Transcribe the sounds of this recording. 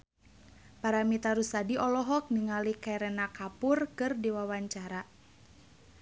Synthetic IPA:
paɾamit̪aɾusadiʔɔlɔɦɔk̚niŋalikaɛɾɛnakapʊrkɨrdiwawaɲt͡ʃaɾa

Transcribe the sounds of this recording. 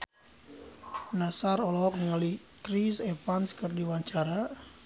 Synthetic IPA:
nasaɾɔlɔɦɔk̚niŋali | kɾisefanskɨrdiwaɲt͡ʃaɾa

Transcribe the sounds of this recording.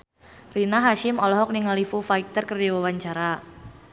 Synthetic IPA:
rinaɦaʃɪmɔlɔɦɔk̚niŋalifufaik̚t̪ərkərdawəwaɲt͡ʃaɾa

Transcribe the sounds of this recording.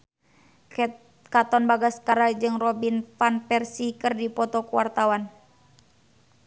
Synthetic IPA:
kat̪ɔnbaɡaskaɾad͡ʒɨŋrɔbinfanpɛrsikɨrdipɔt̪ɔkuwa̰rt̪awan

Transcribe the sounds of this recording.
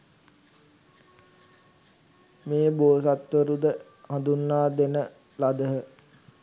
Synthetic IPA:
meːboːsat̪ʋəɾud̪ə | hãd̪unːaːd̪enə | lad̪əɦə

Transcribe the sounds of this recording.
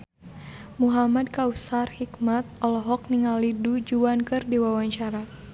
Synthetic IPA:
muɦamad̚kausarhikmat̪̚ɔlɔɦɔk̚niŋalidud͡ʒuankɨrdiwawaɲt͡ʃaɾa

